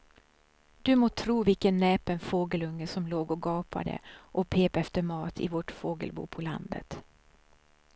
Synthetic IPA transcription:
d̪ɵmoːt̪ʰɾuːvɪlkənːɛːpɛnfoːɡəlɵŋːəsɔmloːɡɔɡɑːpʰa̰d̪ə̰ʔɔpʰeːpɛft̪əɾmɑːt̪ʰɪ̰vɔʈfoːɡə̰lbṵːpʰɔla̰nd̪ə̰t̪

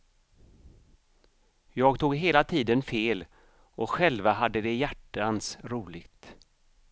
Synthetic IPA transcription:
jɑːɡt̪ʰuːɡɦeːlat̪ʰiːd̪ənfeːl | ɔɧɛlvaɦad̪ːəd̪ɛjæʈːansɾuːlɪɡt̪

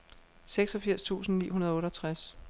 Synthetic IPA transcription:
seɡ̥sɒ̽fiɐ̰st͡sʰṵːsn̩nḭːɦunɐð̞ˠɔːɾɒt͡sʰʁas

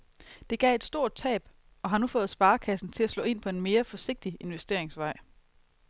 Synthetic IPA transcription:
d̥e̝ɡ̥ɛ̰e̝d̥sd̥o̝ɐ̰d̥̚t͡sʰɛ̰ːb̥ | ɒ̽ɦɑ̈nufɔ̽ːð̩ˠsb̥ɑ̈ːkʰæsn̩t͡sʰe̝læslɔ̰̽ːe̝n̰pʰɒ̽e̝nme̝ːɐfɒ̽se̝ɡ̥̚d̥ie̝nʋesd̥e̝̰ɐ̰eŋsʋɑ̈ɪ̰

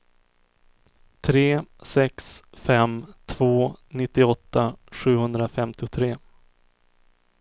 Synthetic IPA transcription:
t̪ʰɾeːsɛksfɛmt̪ʰv̥oːnɪt̪ːɪɔt̪ːaɧʉ̟ːhɵnd̪ɾafɛmt̪ɪʊt̪ʰɾeː

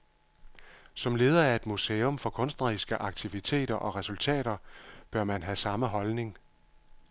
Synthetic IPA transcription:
sɒ̽mle̝ːð̞ˠɐæɐe̝d̥museːɔ̽mfɒ̽kʰɔ̽nsd̥nɐʁisɡ̥əʔɑ̈ɡ̥̚t͡sʰiʋit͡sʰe̝̰ːɾ̥ɐʔɒ̽ʁɛsult͡sʰɛ̰ːɾ̥ɐb̥ɶɐmænɦæsɑ̈məɦɒ̽lne̝ŋ

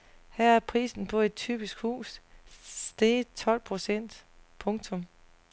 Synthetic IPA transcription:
hæɐ̰æɐpʰʁḭːsn̩pʰɒ̽e̝d̥̚t͡sʰy̰ːb̥isɡ̥hṵːs | d̥et͡sʰɒ̽l̰pʰʁo̝sen̰d̥pʰɔ̽ŋt͡sʰɔ̽m

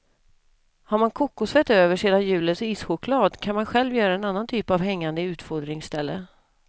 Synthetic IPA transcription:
haɾmankʰʊkːʊsvɛt̪øːvəʂeːd̪anjʉ̟ːləsiːsɧʊkʰlɑːd̪kʰanmanɧɛlvjœːɾaɛnanːant̪ʰyːpavɦɛŋːand̪əʉ̟ːt̪fɔd̪ɾɪŋsːt̪ɛlːə

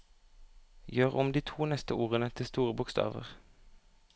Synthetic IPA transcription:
jøːʁɔmd̪iːt̪ʰuːnɛst̪əʔuːʁənət̪ʰɪst̪uːʁəbʊkst̪ɑ̰ːʋə̰ʁ

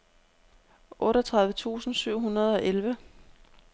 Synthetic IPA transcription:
ʔɔ̽ːɾɒt͡sʰʁäð̞ˠʋət͡sʰṵːsn̩syʊ̰ɦunɐð̞ˠɒ̽ʔelʋə

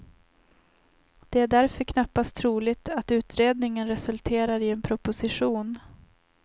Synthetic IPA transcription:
d̪̥ɛæɖæɾfœɾkʰnapːast̪ʰɾuːlɪɡt̪at̪ʉ̟ːt̪ɾeːd̪nɪŋənɾɛsɵlt̪ʰeːɾaɾɪɛnpʰɾʊpʊsɪɧuːn

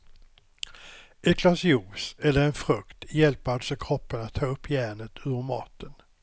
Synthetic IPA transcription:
ʔɛt̪̚kʰlasɪuːsɛlːəɾɛnfɾɵkt̪jɛlpəalsɔkʰɾɔpːənat̪ʰːɑːɵpʰːjæːɳət̪ʰʉːvəɾmɑ̰ːt̪ʰən

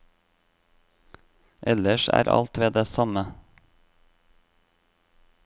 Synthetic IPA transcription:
ʔɛləʃæ̰ːɾʔɑ̰lt̪ʋeːd̪eːsɑmə

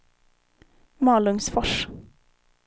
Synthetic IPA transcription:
mɑːlɵŋsfɔʂ

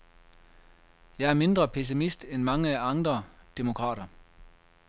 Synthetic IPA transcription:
jɑ̈ɪæɐme̝nd̥ʁɐpʰes̬imisd̥enmɑ̈ŋəæɑ̈nd̥ʁɐd̥emo̝kʰʁɑ̰ːɾɐ

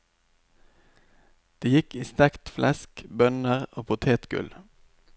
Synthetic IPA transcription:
d̪̥eːjɪkiːst̪ɛkt̪flʔɛskbœnəʁoːpʰʊt̪ʰeːt̪ɡ̥ʉ̰l

